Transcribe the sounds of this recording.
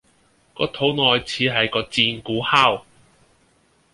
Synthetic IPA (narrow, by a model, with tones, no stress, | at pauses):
kɔː˧t̪ʰo˨˥wŋɔː˨jt͡sʰiː˨˧ɦɐ˨jkɔː˧t͡siː˧nkuː˨˥haː˥w